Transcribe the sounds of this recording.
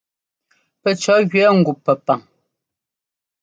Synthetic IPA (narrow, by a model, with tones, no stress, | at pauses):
pɛ˨t͡ʃɔ˨˦ɣɥɛ˦ŋ̩˨ɡu˨pːɛ˨pa˨ŋ